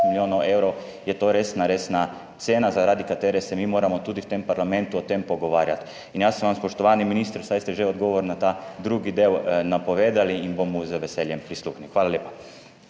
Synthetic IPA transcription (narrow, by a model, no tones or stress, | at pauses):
miljonaewɾo | jɛt̪oɾesnaɾesna | t̪seːnazaɾaːd̪ikat̪eɾɛsɛmiːmoːɾamot̪uːd̪iwt̪empaɾlamẽnt̪uot̪empoɡoʋaːɾjat̪ | injaːsɛmʋamspoʃt̪oʋaːniminiːst̪əɾsajst̪ɛʒɛod̪ɡoʋoɾnat̪ad̪ɾuːɡid̪eːwnapoʋeːd̪aliːnbomuzəʋeseljempɾislˠuːxnixʋaːlaljeːpa